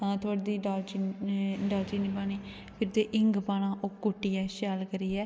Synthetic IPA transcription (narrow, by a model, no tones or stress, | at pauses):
ãːt̪ʰoːɽd̪iːɖaːlt͡ʃiɖaːlt͡ʃiːniːpaːniː | pʰɪɾt̪eːʔɪŋɡpaːnãːʔokːʊʈːiːɛːʃaːlkəɾiːɛː